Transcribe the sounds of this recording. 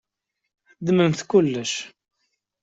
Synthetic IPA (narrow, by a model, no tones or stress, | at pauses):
d̪məmθkulːəʃ